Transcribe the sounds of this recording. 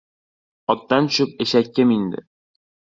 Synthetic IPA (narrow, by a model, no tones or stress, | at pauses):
ɒt̪ːɑnɕʉp̚ɘ̆ɕækːɘmind̪ɘ̰